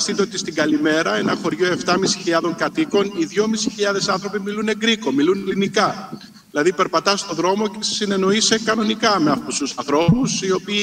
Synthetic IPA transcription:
st̪it̪eot̪ist̪iɡɐlime̞ɾɐe̞nɐxo̞ɾʝo̞e̞ft̪ɐmisi̥çiʎɐðo̞ŋkɐt̪iko̞niðʝo̞misi̥çiʎɐðe̞sɐnθɾo̞pimilune̞ɡɾiko̞milunlinikɐ | ilɐðipe̞ɾpɐt̪ɐst̪o̞ðɾo̞mo̞cese̥sine̞no̞ise̞kɐno̞nikɐmeɐft̪ususɐnθɾo̞pusio̞piː

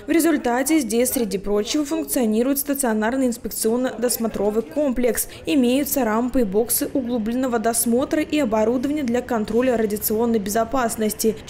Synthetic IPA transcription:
vɾʲɪzʊlʲt̪atʲɪzʲdʲesʲsʲɾʲɪdʲipɾo̞t͡ɕːɪvəfʊnk̚t̪sɨɐnʲiɾʊjɪt̪st̪ət̪sɨɐnarnɨjɪnspʲɪk̚t̪sɨo̞nːəd̪ɐsmɐt̪ɾo̞vɨko̞mplʲɪks | ɪmʲejʊt̪səɾampɨbo̞ksɨʔʊɡlˠublʲɪnːəvəd̪ɐsmo̞t̪ɾəʔiɐbɐɾud̪əvənʲɪjəd̪lʲɐkɐnt̪ɾo̞lʲəɾədʲɪt̪sɨo̞nːəjbʲɪzɐpasnəsʲtʲɪ

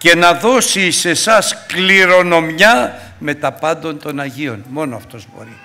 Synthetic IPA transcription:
ce̞nɐðo̞sise̞sɐskliɾo̞no̞mɲɐ | me̞t̪ɐpɐnd̪o̞nt̪o̞nɐʝio̞nmo̞noɐft̪o̞zbo̞̰ɾi

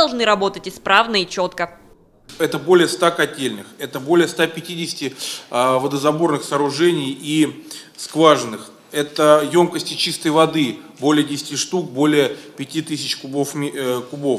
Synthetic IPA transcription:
ɐlˠʐnɨɾɐbo̞t̪ətʲɪspɾavnəit͡ɕo̞t̪kə | ɛt̪əbo̞lʲɪjəst̪akɐtʲelʲnɨxɛt̪əbolʲɪjəst̪apʲɪtʲidʲɪsʲɪ̥tʲɪvəd̪əzɐbo̞rnɨxsəːɾʊʐɛnʲɪjiskvaʐɨnːɨx | ɛt̪əjo̞mkəsʲtʲɪt͡ɕist̪əjvɐd̪ɨbo̞lʲɪjədʲɪsʲɪ̥tʲiʂt̪uk̚bo̞lʲɪjəpʲɪtʲit̪ɨsʲɪt͡ɕkʊbofʲkʊbo̞f

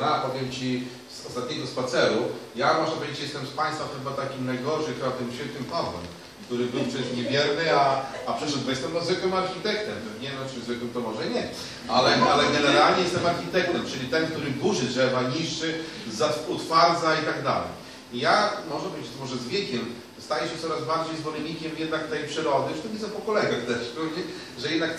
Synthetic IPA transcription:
ɾapɔvʲjɛmt͡ɕi | zɔst̪at̪̚ɲɛɡɔspat̪sɛɾujamɔʐnapɔvʲed͡ʑet͡ɕjɛst̪ɛmspaj̃st̪faxɘbat̪akʲimnajɡɔɾʂɨxɘbat̪ɪmɕfʲɛt̪nʲɘmpazɛ̰m | kt̪uɾɘbɘwpʂɛst̪ɲɛvʲjɛɾnɘa | apʂɛt͡ɕɛʐbɔjɛst̪ɛmt̪ɔzvɘkwɘmaɾxʲit̪ɛkt̪ɛmpɛvɲɛnɔt͡ʃʲzvɘkwɘmt̪ɔmɔʐɛɲɛ | alɛalɛɡɛnɛlɾalɲɛjɛst̪ɛmaɾxʲit̪ɛk̚t̪ɛmt͡ʂɘlʲit̪ɛnkt̪uɾɘbuʐɘt̪ʂɛbaɲiʂɘzat̪ut̪faɾd̪zait̪aɡd̪a̰lɛ̰j | ijamɔʐɛbɪt͡ɕmɔʐɛzvʲjɛkʲɛm | st̪ajɛɕɛt̪sɔɾazbaɾd͡ʑejzvɔlɛɲʲikʲɛmjɛd̪nakt̪ɛjpʂɘɾɔd̪ɘt͡ʃɨ̥t̪ɔvʲid̪zɛpɔkɔlɛɡaxt̪ɛʂk̪ɔɛ | ʐɛjɛd̪nak

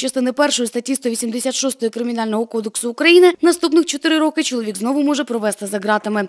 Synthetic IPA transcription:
t͡ʃɐst̪ɪnɪpɛrʃɔjist̪ɐtʲːist̪ɔʋʲisʲimd̪esʲat̪ʃɔst̪ɔjɔkɾɪmʲinɑlʲnɔɦɔkɔd̪eksʊːkɾɐjinɪnɐst̪upnɪxt͡ʃɔt̪ɪɾɪɾɔkɪt͡ʃɔlˠɔʋʲiɡznɔʋʊmɔʒɛpɾɔʋɛst̪ɪzɐɦɾɑt̪ɪmɪ

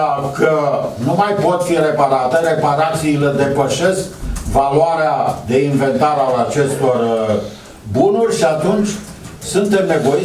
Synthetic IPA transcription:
kənumajpo̞t̪fire̞paɾat̪eɾe̞paɾat̪siːle̞d̪e̞pəʃe̞skvaluaɾead̪e̞inve̞nt̪aɾalat͡ʃe̞st̪o̞r | bunurʲʃiat̪unt͡ʃʲ | sunt̪e̞mne̞vo̞ji

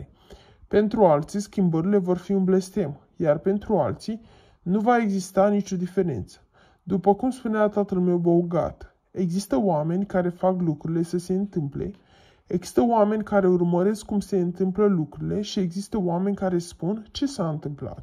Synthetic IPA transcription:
pe̞nt̪ɾualt̪siskʲimbəɾile̞vo̞rfiɨnble̞st̪e̞m | jarpe̞nt̪ɾua̰lt̪si | nuvae̞ɡzist̪anit͡ʃʲo̞d̪ife̞ɾḛnt̪sə̥ | d̪upəkumspuneat̪at̪əlme̞wbo̞ɡa̰t̪ | e̞ɡzist̪əoame̞nʲkaɾe̞faklukɾuɾile̞səse̞ɨnt̪ɨmple̞̰ | eɡzi̥st̪əoame̞nʲkaɾe̞urməɾe̞skːumse̞ɨnt̪ɨmpləlukɾuile̞ʃie̞ɡzist̪əoame̞nʲkaɾe̞spunt͡ʃe̞saɨnt̪ɨmpla̰t̪

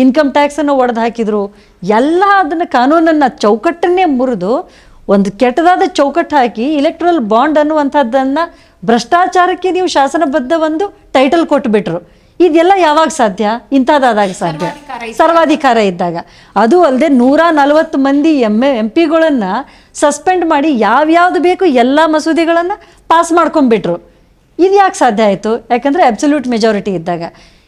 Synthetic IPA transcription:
inkɐmʈaːksɐnːuɔɽɐd̪ɦaːkid̪ɾuː | ɛlːɐɐd̪ɐnːɐkaːnuːnɐnːɐt͡ʃɐwkɐʈːɐne̞muɾud̪u | ond̪ukɛʈːɐd̪aːd̪ɐt͡ʃɐwkɐʈːɐɦaːkiːlek̚ʈɐɾɐlbaːɳɖɐnːuʋɐnt̪ʰɐd̪ːɐnːɐ | bɾɐʂʈaːt͡ʃaːɾɐkːe̞niːʋuʃaːsɐnɐbɐd̪ːɐʋo̞nd̪uʈɐjʈɐlkoʈːbiʈɾu | id̪ɛlːɐjaːʋaːɡɐsaːd̪ʱjɐint̪ʰad̪aːd̪aːɡɐsaːd̪ʱjɐsɐɾʋaːd̪ʱikaːɾɐid̪ːaːɡɐ | ɐd̪uɐld̪e̞ːnuːɾaːnɐlʋɐt̪ːumɐnd̪iemempiɡɐɭɐnːɐ | sɐspe̞ɳɖmaːɽijaːʋjaːʋd̪ube̞ːkuɛlːɐmɐsud̪iɡɐɭɐnːɐ | paːsmaːɽko̞ɳbiʈɾu | id̪jaːksaːd̪ʱjɐaːjt̪ujaːkeːnd̪ɾeɐbsɐljuːʈmed͡ʒaːɾiʈiːd̪ːaːɡɐ

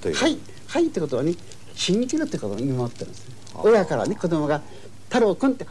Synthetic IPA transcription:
hai | hait̪ːekot̪oane | ɕĩɲːikʲiɾɯt̪ojikot̪omoimot̪ːeɾɯ̰̃nd̪es | ojakaɾa̰ne̞ko̞d̪omo̞ɡa | t̪aɾoːkõnt̪e

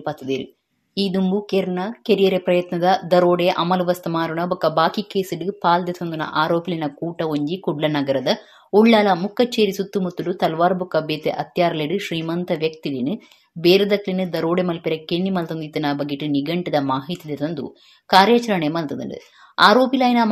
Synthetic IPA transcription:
pɐt̪ːɐd̪eːɾɨ̰ | iːd̪umbukeːɾɐnɐkeɾijɐɾepɾɐjɐt̪nɐd̪ɐd̪ɐɾoːɽeʔɐ̰mɐluʋɐst̪ɐmaːɾuɳɐbɐkːɐbaːkikeːsiɖɨpaːld̪et̪ond̪unɐ̰ʔaːɾoːpilinɐkuːʈːɐoɲd͡ʒikuɖlɐnɐɡɐɾɐd̪ɐ | uɭːaːlɐmukːɐt͡ʃːeːɾisut̪ːumut̪ːuɽut̪ɐlʋaːɾbukːɐbeːt̪ḛʔɐt̪jaːɾleɖɨʃɾiːmɐnt̪ɐʋjɐk̚t̪ilinɨ | beːɾɐd̪ɐklinɨd̪ɐɾoːɽemɐlpiɾɐkeɳːimɐlt̪ond̪it̪ːɐnabɐɡiʈːɨniɡɐɳʈɐd̪ɐmaːɦit̪id̪et̪ond̪ṵ | kaːɾjɐt͡ʃɐɾɐɳemɐlt̪ɐd̪ɐ̰ɳɖɨ̰ | a̰ːɾoːpilɐːjnɐ

